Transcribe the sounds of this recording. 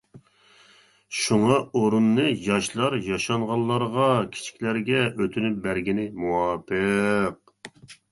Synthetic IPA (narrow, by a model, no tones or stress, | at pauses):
ʃuŋɑoɾunːɨjɑʃlˠɑɾjɑʃɑɴʁɑlˠːɑɾʁɑkʲʰi̥t͡ʃʰi̥kʲlæɾɡʲɛøt̪ʰynyp̚bæɾɡʲinɪmuwɑːpʰɨq̚